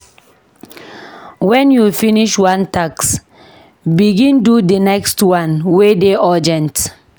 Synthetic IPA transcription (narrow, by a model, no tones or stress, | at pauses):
wɛ̃njufiniʃwãntaks | biɡĩndudənɛkstwãnwedeʔɔd͡ʒɛ̃nt